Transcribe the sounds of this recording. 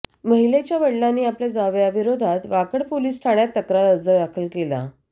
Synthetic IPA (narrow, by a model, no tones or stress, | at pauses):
məɦilet͡ɕjaʋəɽlanːiːapljad͡zaʋjaʋiɾod̪ʱat̪ʋakəɽpoliːsʈʰaɽjat̪ːəkɾaɾəd͡zəd̪akʰəlkela̰